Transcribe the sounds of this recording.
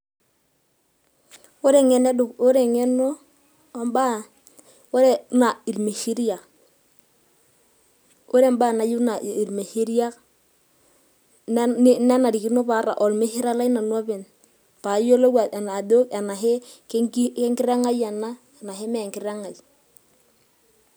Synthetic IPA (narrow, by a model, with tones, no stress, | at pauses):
o˦ɾe˨ŋe˨˦ne˦dʊ˨ko˦ɾe˨ŋe˦no˦ | mba˦ | o˦ɾe˨˦na˨i˨lme˨ʃi˦ɾi˦a˨ | o˦ɾe˦mba˦˨na˨ju˦na˨i˨ɾme˨ʃi˦ɾi˦a˦k | ne˦na˨ɾi˨ki˦no˦pa˦ɾa̰˨ʔɔ˨lme˦ʃi˦ɾa˦la˦jna˨nwɔ˦bɪ˨n | pa˨˦jo˦lo˦wa˨tɛ˨na˨do˦kɛ˨na˨ɦɪ˦kke˦ŋkɪ˦ɾa˦ŋa˦ja˨na˦ | ɛ˨na˨ɦɪ˦me˦˨ŋkɪ˦ɾa˦ŋa˨j